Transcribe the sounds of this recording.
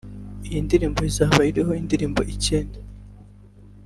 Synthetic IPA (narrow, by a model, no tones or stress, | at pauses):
ijindiɾiːmbo̞izaːβaiɾiɦo̞indiɾiːmbo̞ʔiceːnda